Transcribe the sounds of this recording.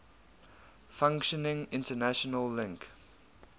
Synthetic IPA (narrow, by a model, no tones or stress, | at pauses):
fãŋkʃənɪ̃ŋɪ̃ntənæʃənəlːɪ̃ŋk